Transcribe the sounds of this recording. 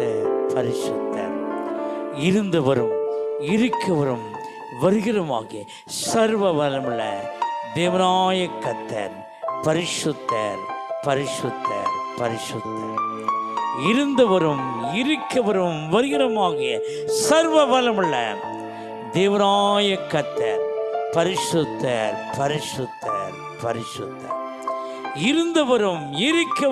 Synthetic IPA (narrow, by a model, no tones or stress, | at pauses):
t̪ːɐpɐɾɪʂɯt̪ːɐ̰ɾ | ɪɾɯnd̪ɐʋɐɾɯmɪɾɯkːɐʋɐɾɯm | ʋɐɾɯɣɪrɐma̰ːɣɪjɐ | sɐɾʋɐʋɐlɐmɪɭːɐ̰d̪eːʋɐnaːjɐkːɐt̪ːɐ̰ɾ | pɐɾɪʂɯt̪ːɐ̰ɾpɐɾɪʂɯt̪ːɐ̰pɐɾɪʂɯt̪ːɐ | ɪɾɯnd̪ɐʋɐɾɯmɪɾɯkːɐʋɐɾɯmʋɐɾɪɣɪɾɐmaːɣɪjɐ | sɐɾʋɐbɐlɐmɐɭːɐ̰ | d̪eːʋɐnaːjɐkːɐt̪ːɐ̰ɾpɐɾɪʂɯt̪ːɐɾpɐɾɪʂɯt̪ʰːɐ̰ɾ | pɐɾɪʂɯt̪ːɐ̰ | ɪɾɯnd̪ɐʋɐɾɯmɪɾɯkːɐ